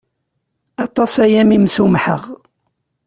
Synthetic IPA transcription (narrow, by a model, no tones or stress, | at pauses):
ɑt̪ˤːɑsæjæmimsumħə̰ʁ